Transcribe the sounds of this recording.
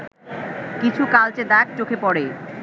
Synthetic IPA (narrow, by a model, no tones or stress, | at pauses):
kit͡ɕʰukalt͡ɕed̪ɛk̚t͡ɕokʰepɔɽe